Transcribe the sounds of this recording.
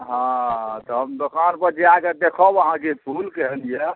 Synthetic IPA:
ɦãt̪ɔɦəmd̪okanpəɾd͡ʒeaɡed̪ekʰɔbəɦãkepʰulkɛɦɛlijɛ

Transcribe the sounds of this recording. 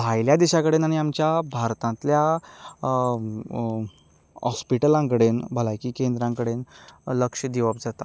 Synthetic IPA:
bʱajljad̪iɕakəɽenaɽ̃iamt͡ɕjabʱaɾt̪ãnt̪lja | ɦɔspiʈəlãŋkəɽenbʱəlakiːkẽnd̪ɾãŋkəɽenləkʂəd̪iʋap̚d͡zat̪a

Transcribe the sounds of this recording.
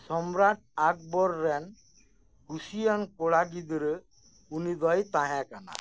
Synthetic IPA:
sɔmɾaʈ̚ak̚bɔɾːɛn | husijankɔɽaɡid̪ɾə | unid̪ɔjt̪aɦakana̰

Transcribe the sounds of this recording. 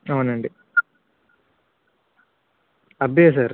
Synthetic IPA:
ɐʋneɳɖi | ɐbeːsaːɾ

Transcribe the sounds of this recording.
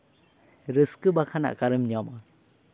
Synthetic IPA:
ɾəskɯbakʰana̰ʔkaɾɯmɲɔma

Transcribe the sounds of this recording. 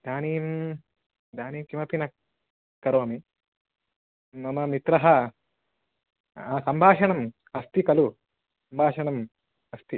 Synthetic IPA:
d̪aːniːm | d̪ʱaːniːmkimɐpinɐ | kːɐɾoːmi | mɐmɐmit̪ɾɐɦɐ | asɐmbʱaːʃɐɳɐm | ɐst̪ikɐlu | sɐmbʱaːʂɐɳɐm | ɐst̪i

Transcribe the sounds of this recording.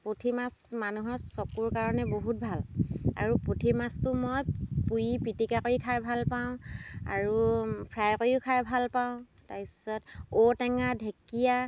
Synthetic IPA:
potʰimasmanuɦɔɹsɔkuɹkaɹɔnɛboɦut̚bʱala̰ɹupotʰimastʊmojpujipitikakojikʰajbʱalpaʊ̃a̰ɹupʰɹajkojiʊkʰajbʱalpaʊ̃ | taɹisɔtotɛŋadʱekija

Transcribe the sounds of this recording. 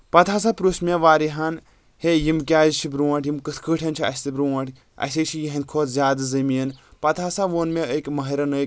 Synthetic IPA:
pɐt̪ʰaːsapɾusmʲeʋaːɾiɦɐn | hejimkʲaːzt͡ʃʰibɾuwɐʈʰjimkɨt̪ʰkʰɨʈʰʲɐnt͡ʃʰiɐ̰sʲt̪ibɾuɐʈʰʲ | ɐ̰sʲet͡ʃʰijɐɦɐ̃nkʰoːt̪ʰzʲaːd̪ɨzɐmiːnpɐt̪ʰaːsaʋoːnmeəkʲmɐɦɐɾɐnəːk

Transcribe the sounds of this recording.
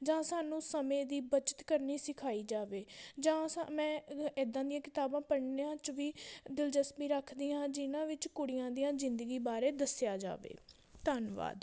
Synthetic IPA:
d͡ʒãːsaːnũːsəmẽːd̪iːbət͡ʃə̥t̪kəɾniːsɪkʰaːiːd͡ʒaːʋeːd͡ʒãːsmɛ̃ːɪd̪ːãːd̪ijãːkɪt̪aːbãːpəɽneãːt͡ʃʋiːd̪ɪld͡ʒəsmiːɾəkʰd̪iːãːd͡ʒɪnãːʋɪt͡ʃkʊɽɪjãːd̪ijãːzɪ̃nd̪əɡiːbaːɾeːd̪əsjaːd͡ʒa̰ːʋḛː | t̪ənʋa̰ːd̪

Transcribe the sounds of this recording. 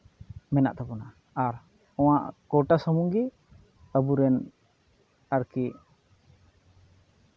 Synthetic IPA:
mɛna̰ʔt̪apɔna | aɾ | ɔ̃w̃aʔkɔʈasəmuŋɡi | əbuɾɛn | aɾki

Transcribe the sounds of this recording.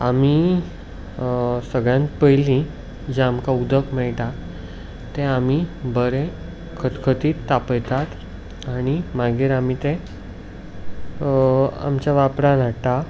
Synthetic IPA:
ami | səɡɭjãnt̪pəjlĩ | d͡ʑeamkaud̪əkmɛɭʈ̪a | t̪ẽamibəɾẽ | kʰət̪kʰət̪iːt̪ːapəjt̪at̪ | aɽ̃imaɡiːɾam̤it̪ẽ | a̰mt͡ɕjaʋapɾãnat̪a

